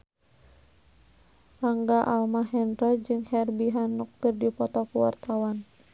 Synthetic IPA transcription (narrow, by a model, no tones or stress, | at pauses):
laŋɡaʔalmaɦɛndɾad͡ʒɨŋhɛrbiɦanːɔk̚kɨrdipɔt̪ɔkuwa̰rt̪awan